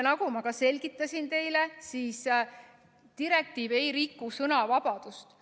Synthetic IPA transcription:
nɑɡumɑkɑse̞lʲɡit̪ːˑɑsʲint̪e̞jle̞siːs | t̪iɾe̞k̚t̪iːve̞jɾikːusɤnɑvɑb̥ɑd̪̥ust̪

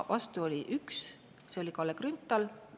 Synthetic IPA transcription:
vɑst̪uo̞lʲiʔyks | seo̞lʲikɑlːekrynt̪ːˑɑl

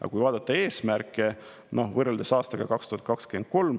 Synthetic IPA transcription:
jɑ̰kujvɑːd̪̥ɑt̪ːˑɑe̞ːsmærkːˑe | no̞hvɤrːeld̪esɑːst̪ɑɡ̥ɑkɑkst̪uhɑt̪kɑkskend̪̚ko̞lm

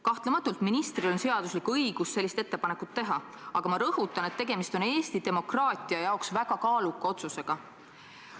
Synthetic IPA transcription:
kɑht̪lemɑt̪ːˑult̪minist̪rio̞nse̞ɑd̪̥uslikuɤjɡ̥usːe̞lːist̪e̞t̪ːe̞pɑne̞kːˑut̪ːe̞ɦɑ | ɑɡ̥ɑmɑɾɤhut̪ːˑɑne̞t̪ːe̞ɡe̞mist̪o̞ne̞ːst̪id̪̥e̞mo̞krɑːt̪ˑiɑjɑoksvæɡ̥ɑkɑːlukːˑɑo̞t̪suse̞ɡ̥ɑ

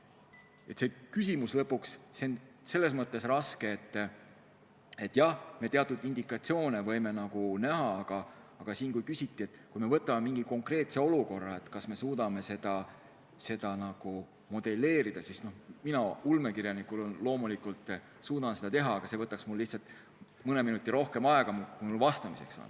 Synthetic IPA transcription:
e̞t̪se̞kysʲimuslɤpːukssen | se̞lːe̞s̬mɤt̪ːˑe̞srɑske̞ːt̪ː | e̞t̪ːˑjɑhme̞t̪eɑt̪ːˑud̪̥ind̪̥ikːˑɑt̪sio̞ːnevɤ̞jme̞nɑɡ̥unæɦɑɑɡ̥ɑ | ɑɡ̥ɑsiːnkujkysʲit̪ːˑiet̪ːˑkujme̞vɤ̞t̪ːˑɑmemiŋɡ̥iko̞ŋkre̞ːt̪se̞o̞luko̞rːɑe̞t̪kɑsme̞suːd̪ɑme̞se̞d̪̥ɑ | se̞d̪̥ɑnɑɡ̥u | mo̞d̪e̞lːe̞ːɾid̪̥ɑsisno̞hminɑulmekiɾjɑnikulonlo̞ːmulikult̪ː | suːd̪̥ɑnse̞d̪ɑt̪e̞ɦɑːɡ̥ɑse̞vɤt̪ːˑɑksmulːihtsɑlt̪ˑ | mɤne̞minut̪ʲˑːiɾo̞hke̞mɑe̞ɡ̥ɑmukumulvɑst̪ɑmise̞̰ksɑ̰n

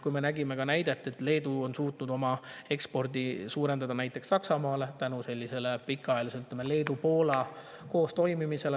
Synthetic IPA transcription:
kujme̞næɡime̞ɡ̥ɑnæjd̪̥e̞t̪ːˑe̞t̪le̞ːd̪̥uo̞nsuːt̪nud̪o̞mɑe̞kspo̞rd̪isuːɾe̞nd̪ɑd̪ɑnæjt̪ːˑe̞ksːɑksɑmɑːle̞t̪ænuse̞lʲːise̞lepikːˑɑɑjelisyt̪ːˑlemele̞ːd̪upo̞ːlɑ | ko̞ːst̪o̞jmimise̞l

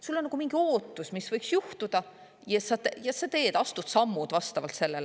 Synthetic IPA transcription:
sulːonːɑɡ̥umiŋɡ̥io̞ːt̪ːˑusmisvɤjksjuht̪ud̪̥ɑ | jɑsɑt̪ejɑsɑt̪e̞ːd̪̥ɑst̪ud̪̥sɑmːud̪vɑst̪ɑvɑlt̪se̞lːel

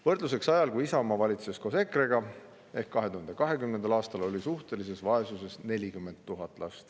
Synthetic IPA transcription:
vɤrd̪̥lus̬e̞ksɑjɑlkujisɑomɑvɑlʲit̪sesko̞se̞kreɡ̥ɑ | e̞hkːɑɦe̞t̪uhɑnd̪̥ekɑɦe̞kymnend̪ɑlɑːst̪ɑlo̞lʲisuht̪e̞lise̞svɑe̞suse̞sne̞lʲikymːe̞nt̪ːuɦɑt̪ːˑlʔɑ̰st̪

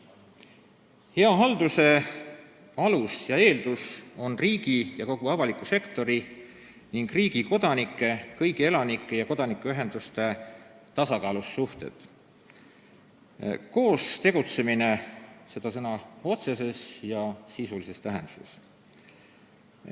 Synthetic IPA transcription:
he̞ɑɦɑld̪̥use̞ | ɑlusjɑe̞ːld̪̥uso̞nriːɡ̥ijɑko̞ɡ̥uɑvɑlikːˑuse̞kt̪o̞ɾi | niŋɡriːɡ̥iko̞d̪̥ɑnikːˑe̞kɤjɡie̞lɑnikːˑe̞jɑko̞d̪̥ɑnikːˑuyɦend̪̥ust̪e̞ | t̪ɑsɑkɑːlusːuht̪e̞̰t̪ | ko̞ːst̪e̞ɡ̥ut̪se̞mine̞se̞d̪̥ɑsɤnɑo̞t̪se̞se̞sjɑsisulise̞st̪æɦe̞nd̪̥u̥se̞s

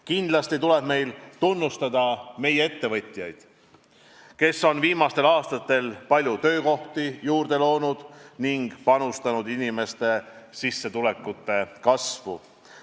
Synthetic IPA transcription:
kind̪̥lɑst̪it̪ule̞b̥me̞jlt̪unːust̪ɑd̪̥ɑme̞jee̞t̪ːe̞vɤ̞t̪ʲːˑjɑjd̪̥ | ke̞sːo̞nviːmɑst̪e̞lɑːst̪ɑt̪ːˑe̞lpɑlʲjut̪ø̞ːko̞ht̪ijuːrd̪̥e̞lo̞ːnud̪̥niŋɡ̥pɑnust̪ɑnud̪inime̞st̪e̞sisːe̞t̪ule̞kːˑut̪ːˑe̞kɑsvṵ

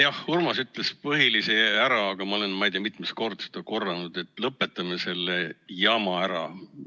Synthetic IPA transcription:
jɑhhurmɑsyt̪ːˑlespɤɦiliseæɾɑɑɡ̥ɑmɑo̞le̞nmɑjd̪̥ejɑmit̪ˑmest̪̚ko̞rd̪̥ɑsed̪̥ɑko̞rːɑnud̪̥e̞t̪ːˑlɤpːˑe̞t̪ːˑɑme̞se̞lːejɑmɑæɾɑ̰

